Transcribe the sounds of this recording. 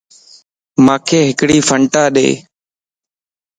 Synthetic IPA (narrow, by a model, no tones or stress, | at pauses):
maːkʰeːɦɪkɽiːfʰəɳʈaːɗḛː